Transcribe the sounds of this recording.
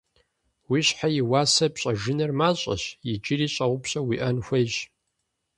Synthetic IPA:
wiːɕħajɪwaːsɐpɕʼɐʒɨnɐrmaːɕʼɐ̰ɕjɪd͡ʒɪriːɕʼɐʁʷʊpɕʼɐwiʔɐnxʷɐjʑ

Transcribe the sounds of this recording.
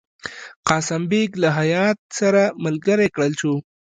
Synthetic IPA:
qɑsambeɡlaɦajɑt̪̚saɾaməlɡəɾekɽəlt͡ʃu

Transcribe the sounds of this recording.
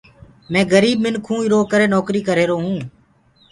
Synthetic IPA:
mɛ̃ːɡəɾiːbmɪnkʰũːɪɾoːkəɾeːnɔːkɾiːkəɾeːɾoːɦũː

